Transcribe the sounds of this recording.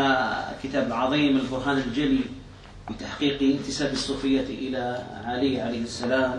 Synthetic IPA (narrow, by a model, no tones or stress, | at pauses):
akɪt̪aːbʕɑðˤiːmɪlbʊɾɦaːnɪld͡ʒali | wɪt̪aħqiːqiɪnt̪ɪsaːbisˤːuːfɪjːaʔɪlaʕaliʕalajhɪsːalaːm